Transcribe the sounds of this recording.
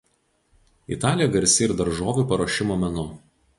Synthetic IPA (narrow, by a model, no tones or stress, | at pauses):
ḭt̪ɑːlʲijɛɡɐɾʲsʲɪɪɾd̪ɐɾʒoːʋʲuːˑpɐɾoːʃʲɪmoːmʲɛnʊ